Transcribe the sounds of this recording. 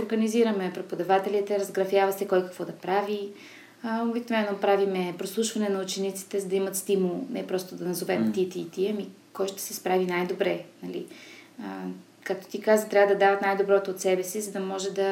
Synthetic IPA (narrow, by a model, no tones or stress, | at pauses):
oɾɡəniziɾəmɛpɾɛpod̪ɐvat̪ɛlʲit̪ɛɾɐzɡɾɐfjavɐsɛkɔjkɐ̥kvɔd̪ɐpɾavi | obiknovɛnːopɾavimɛpɾoslˠuʃvɐnɛnɐut͡ʃɛnit̪si̥t̪ɛzɐd̪ɐimɐt̪st̪imulˠnɛpɾɔst̪od̪ɐnɐzovɛmt̪it̪iːt̪iəmi | kɔjʃt̪ɛ̥sɛspɾavinajd̪obɾɛnɐlḭ | kak̚t̪o̥t̪ikazət̪ɾʲavəd̪ɐd̪avɐt̪najd̪obɾɔt̪oːt̪sɛbɛsizɐd̪ɐmɔʒɛd̪ɐ